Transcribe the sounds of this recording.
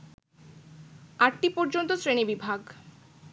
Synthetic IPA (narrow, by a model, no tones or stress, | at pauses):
aʈʈipɔɾd͡ʑont̪osɾenebibʱaɡ